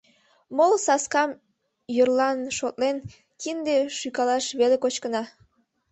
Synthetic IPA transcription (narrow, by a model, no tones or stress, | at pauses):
molsɑskɑm | jərlɑnʃot̪len | kind̪eʃykɑlɑʃβelekot͡ɕkənɑ